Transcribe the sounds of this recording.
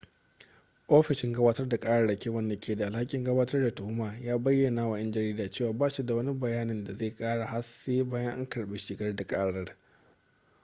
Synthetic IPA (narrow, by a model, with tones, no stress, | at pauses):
ʔoː˦ɸɪ˨ʃɪ˨ŋɡɐ˦baː˦tɐ˦rda˨kʼaː˦ɽɐ˦ɽɐ˨kʲeː˦wɐ˦nda˨kʲʰeː˨da˨ʔa˨lha˦kʲʼɪ˨ŋɡɐ˦baː˦tɐ˦rda˨tʊ˨hʊ˦maː˨jaː˦bɐ˦jːɐ˨naː˨wa˨jɐ˦nd͡ʒɐ˨ɾiː˦daː˨t͡ʃeː˦˨waː˨baː˦ʃi˦da˨wɐ˦ni˦bɐ˨jaː˦nɪ˨nda˨zeː˦˨kʼaː˦ɽa˨ha˦seː˦baː˦jɐ˦ŋʔa̰˦ŋkɐ˨ɽbeː˨ʃɪ˨ɡɐ˦rda˨kʼaː˦ɽɐ˦r